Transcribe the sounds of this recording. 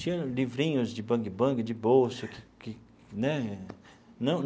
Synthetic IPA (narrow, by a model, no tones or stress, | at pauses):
t͡ʃĩɲɐ̃livɾĩɲʊzd͡ʒɪbɐ̃ɡɪbɐ̃ɡɪd͡ʒɪbowsʊkɪkɪ | nɛ | nɐ̃w̃n